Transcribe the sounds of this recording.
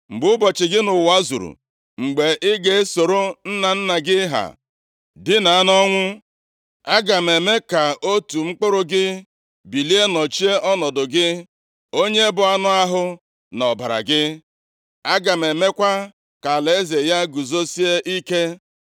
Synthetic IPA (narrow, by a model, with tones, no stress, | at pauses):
ŋ͡m̩˨ɡ͡bʊ˦bɔ˨t͡ʃɪ˨ɡɪ˦nʊ˨wa˦zṵ˨ɾṵ˨ | ŋ͡m̩˨ɡ͡be˨ʔɪ˦ɡe˨˦so˨ɾo˦n̩˦na˨n̩˦na˨ɡɪ˦ɦa̰˨ | dɪ˦na˨a˦nɔ˦ŋʷʊ˦ | a˦ɡa˨m˨e˨me˦ka˨o˦tu˨ŋ͡m̩˦k͡pʊ˦ɾʊ˦ɡɪ˦ | bi˨li˦e˦nɔ˨t͡ʃi˦e˦ʔɔ˦nɔ˨dʊ˨ɡɪ˦ | o˦ɲe˦bʊ˨a˦nʊ˦a˦ɦʊ˦ | nɔ˨ba˨ɾa̰˨ɡɪ˦ | a˦ɡa˨me˨me˦kʷa˦ | ka˨le˨˦ze˨ja˦ɡu˨zo˦si˦e˦ʔi˦ke˦